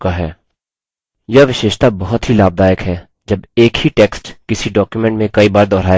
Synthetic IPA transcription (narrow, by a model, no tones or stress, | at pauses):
kaɦɛː | jɐʋɪʃeːʃt̪abɔɦʊt̪ɦilaːb̚d̪aːjəkɦɛː | d͡ʒɐbeːkhiʈeːksʈkɪsiɖɔːkjumẽɳʈmẽkɐibaːɾd̪ɔːɾaː